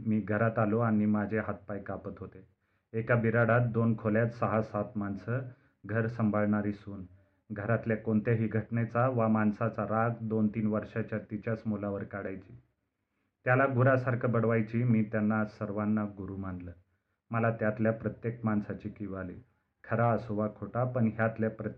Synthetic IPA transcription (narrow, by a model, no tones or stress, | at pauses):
miːɡʱəɾat̪aloaɽ̃imad͡ʑʱeɦat̪̚pajkapət̪ɦot̪e | ekabiɾaɽat̪̚d̪onkʰoljat̪səɦasat̪mansə | ɡʱəɾsəmbʱaɭɳaɾiːsuːn | ɡʱəɾat̪ljakoɳt̪aɦiːɡʱəʈɳet͡saʋamansat͡saɾaɡd̪ont̪iːnʋəɾʂat͡ɕjat̪it͡ɕjasmolaʋəɾkaɽajt͡ɕi̥ː | t̪jalaɡuɾasaɾkʰəbəɽʋajt͡ɕiːmiːt̪janːasəɾʋanːaɡuɾuːmanləː | məlat̪jat̪ljapɾət̪jek̚mansat͡ɕiːkiʋalḭ | kʰəɾaəsoʋakʰoʈapəɳɦjat̪ljapɾə